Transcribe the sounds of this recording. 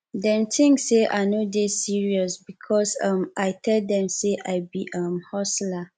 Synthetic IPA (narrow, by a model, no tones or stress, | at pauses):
dɛ̃mtʰĩŋkːeʔa̰ɪnodesiɹiɔsbikʰɔsʌ̃maɪtʰɛlddɛ̃mseʔaɪbiʔʌ̃mhɔsla